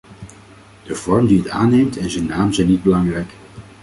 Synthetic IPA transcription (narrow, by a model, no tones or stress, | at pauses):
d̥əv̥ɔɹmdiəta̰ːnejmtɛnzɛnːaːmzɛjnid̚bəlɑŋrɛjk